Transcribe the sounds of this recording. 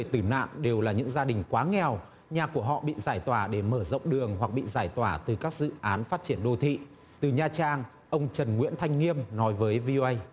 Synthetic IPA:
e˧˩t̪ɨ˨˧˩na̰ː˧˨mɗe˨˩wlaː˨˩ɲɨ̰˧˥ŋzaː˧ɗï˨˩ŋ̟kwaː˨˦ŋɛ˨˩w | ɲaː˨˩ku˧˩əɦɔ̰˧˨ɓḭ˧˨zaː˧˩jt̪waː˧˩ɗe˧˩məː˧˩zə̰˧˨wŋ͡mɗɨ˨˩əŋɦwa˨˩k̚ɓḭ˧˨zaː˧˩jt̪waː˧˩t̪ɨ˨˩kaː˦˥k̚z̥ɨ̰˧˨ʔaː˨˦nfaː˦˥t̚t͡ɕi˧˩ənɗo˧t̪ʰḭ˧˨ | t̪ɨ˨˩ɲaː˧˩t͡ɕaː˧ŋ | ʔə˧wŋ͡mt͡ɕə˨˩nŋwḭ˧˥nt̪ʰa˧jŋ̟ŋi˧əmnɔ˨˦jvəː˨˦jvi˧o˧ʔə˧j

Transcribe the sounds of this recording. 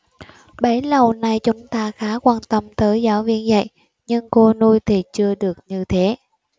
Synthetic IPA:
ɓə˨˦lə˨˩wna˨˩jt͡ɕʊ˨˦ŋ͡mt̪aː˧xaː˨˦kwaː˧nt̪ə˧mt̪əː˨˦jzaː˨˦wvi˧ənzə̰˧˨j | ɲɨ˧ŋko˧nu˧jt̪ʰi˨˩t͡ɕɨ˧əɗɨ˨˩ək̚ɲɨ˧t̪ʰe˨˦

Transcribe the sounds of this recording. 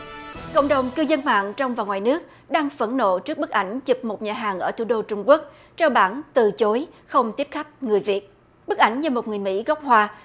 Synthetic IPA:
ko̰˧˨wŋ͡mɗə˨˩wŋ͡mkɨ˧zə˧nma̰ː˧˨ŋt͡ɕɔ˧wŋ͡mvaː˨˩ŋwaː˨˩jnɨ˦˥ək̚ | ɗaː˧ŋfə˧˩nːo̰˧˨t͡ɕɨ˦˥ək̚ɓɨ˦˥k̚ʔa˧˩jŋ̟t͡ɕi˨˩p̚mo˨˩t̚ɲaː˨˩ɦaː˨˩ŋʔəː˧˩t̪ʰu˧˩˦ɗo˧t͡ɕʊ˧ŋ͡mku˦˥ək̚ | t͡ɕɛ˧wɓaː˧˩nt̪ɨ˨˩t͡ɕo˨˦jxə˧wŋ͡mt̪i˦˥əp̚xa˦˥jk̟̚ŋɨ˨˩əjvi˨˩ət̚ | ɓk̚ʔa˧˩jŋ̟t͡ɕa˧˩mo˨˩ŋɨ˨˩əjmḭ˧˥ɣɔ˦˥wk͡p̚hwaː˧

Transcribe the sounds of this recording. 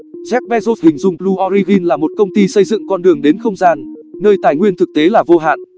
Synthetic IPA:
zɛ˦˥k̚ɓɛ˦˧zo˦˥s̚hï˨˩ŋ̟zʊ˨˩ŋ͡mplu˧ʔɔ˧ɾi˧vi˧nlaː˨˩mo˨˩t̚kə˧wŋ͡mt̪i˧sə˧jzɨ̰˧˨ŋkɔ˧nɗɨ˨˩əŋɗe˨˦nxə˧wŋ͡mzaː˧nnəː˧jt̪aː˧˩jŋwi˧ənt̪ʰɨ˨˩k̚t̪e˨˦laː˨˩vo˧ɦa̰ː˧˨nʔ

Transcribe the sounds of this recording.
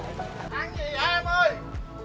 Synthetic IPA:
ʔa˧ŋi˨˩aː˧məː˧˩j

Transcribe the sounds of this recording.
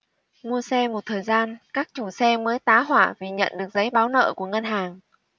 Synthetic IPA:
mu˧əsɛ˧mo˨˩t̚t̪ʰəː˨˩jzaː˧nkaː˦˥k̚t͡ɕu˧˩sɛ˧məː˨˦jt̪aː˨˦ɦwaː˧˩vi˨˩ɲə̰˧˨nɗɨ˨˩ək̚zə˨˦jɓaː˨˦wnə̰ː˧˨ku˧˩əŋə˧nɦaː˨˩ŋ

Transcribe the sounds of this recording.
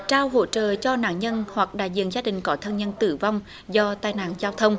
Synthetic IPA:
t͡ɕaː˧wɦo̰˧˥t͡ɕə̰ː˧˨t͡ɕɔ˧na̰ː˧˥nɲə˧nhwa˨˩k̚ɗa̰ː˧˨jzḭ˧˨ənzaː˧ɗï˨˩ŋ̟kɔ˨˦t̪ʰə˧nɲə˧nt̪ɨ̰˧˩va˧wŋ͡m | zɔ˧t̪aː˧˩jna̰ː˧˨nzaː˧wt̪ʰə˧wŋ͡m

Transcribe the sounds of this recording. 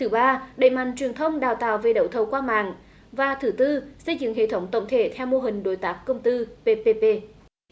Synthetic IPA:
t̪ʰɨ˨˩˦ɓaː˧ɗə̰˧˨jma̰˧˨jŋ̟t͡ɕwi˨˩ənt̪ʰə˧wŋ͡mɗaː˨˩wt̪aː˨wve˨˩ɗə̰˧˨˩wt̪ʰə˨˩wkwaː˧ma̰ː˧˨ŋ | vaː˨˩t̪ʰɨ˧˩t̪ɨ˧sə˧jzɨ̰˧˨ŋɦḛ˧˨t̪ʰə˨˦wŋ͡mt̪ə̰˧˨wŋ͡mt̪ʰe˧˩t̪ʰɛ˧wmo˧ɦï˨˩ŋ̟ɗo˨˦jt̪aː˨˦˥m̚kə˧wŋ͡mt̪ɨ˧pe˧pe˧pe˧

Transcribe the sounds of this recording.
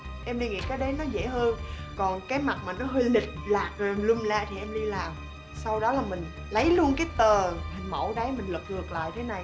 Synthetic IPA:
ʔɛ˧mɗi˧ŋḭ˧˨kaː˨˦jɗə˨˦jnɔ˨˦zḛ˧˩həː˧n | kɔ˨˩nkaː˨˦jma˨˩t̚maː˨˩nɔ˨˦ɦi˧li˨˩t̚laː˨˩k̚zo˨˩ʔmlu˧mlaː˧t̪ʰi˨˩ʔɛ˧mɗi˧laː˨˩m | sa˧wɗɔ˨˦laː˨˩mï˨˩ŋ̟ | lə˨˦jlu˧ənkaː˨˦jt̪əː˨˩mʰa˨˩ŋmə̰˧˩wɗə˨˦jmï˨˩ŋ̟lə˨˩k̚ŋɨ˨˩ək̚la̰ː˧˨jt̪ʰe˨˦na˨˩j

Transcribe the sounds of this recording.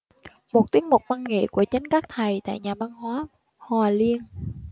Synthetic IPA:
mo˨˩t̚t̪i˨˦ək̚mo˨˩k͡p̚vwaː˧nŋḛ˧˨ku˧˩ət͡ɕə˨˦nkaː˦˥k̚t̪ʰa˨˩jt̪a̰ː˧˨jɲaː˨˩ɓaː˧nhwaː˨˦ | hwaː˨˩li˧ən

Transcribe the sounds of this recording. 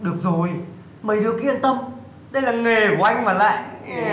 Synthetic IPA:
ɗɨ˨˩ək̚zo˨˩j | məː˨˩jɗɨ˨˩kḭ˧ənt̪ə˧m | ɗə˧jlaː˨˩ŋe˨˩ku˨˩ʔa˧jŋ̟maː˨˩la̰ː˧˨j

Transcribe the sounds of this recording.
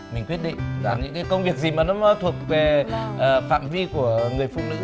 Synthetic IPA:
mi̟˨˩kwət̚ɗḭ˧˨ŋ̟zaː˨˩ɲɨ̰˧˥ŋkaː˨˦jkə˧wŋ͡mvi˨˩ək̚zi˨˩maː˨˩nɔ˨˦mɔ˨˦t̪ʰu˨˩ək̚ve˨˩ʔəː˨˩fa̰ː˧˨mvi˧ku˧˩əŋɨ˨˩əjfṵ˧˨k͡p̚nɨ̰˧˥

